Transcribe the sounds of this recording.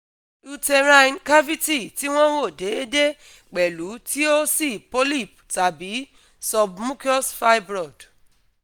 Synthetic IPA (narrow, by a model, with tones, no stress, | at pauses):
u˧te˧ɾã˧jnka˦vi˦ti˦˨ti˨˦w̃ɔ̃˦wo˦˨de˨˦e˦de˦ | k͡pɛ˨lu˨˦ti˦o˦si˦˨po˦li˦˨pta˨bi˨˦ | sɔ˧bmũ˦ki˦ɔ˦sfa˦jbɾɔ˦˨d